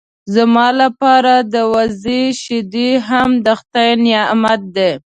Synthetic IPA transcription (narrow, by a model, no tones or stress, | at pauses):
zamɑlapɑɾad̪əwaziʃɪd̪iɦamd̪axt̪ajnjɑmat̪̚d̪e